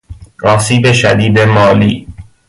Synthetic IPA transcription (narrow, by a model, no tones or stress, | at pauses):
ɾɒːsiːbeʃæd̪iːd̪emɒːliː